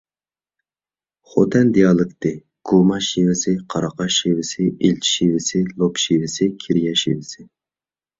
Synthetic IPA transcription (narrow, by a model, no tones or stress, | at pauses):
χo̰t̪ʰɛnd̪ijɑːlˠɨkt̪ɪ | ɡ̥umɑʃiwɪsɪqʰɑɾɑqʰɑʃivɪsɪʔilt͡ʃʰʃivɪsɪlˠopʃivɪsɪkʲʰiɾijɑʃḭvɪsɪ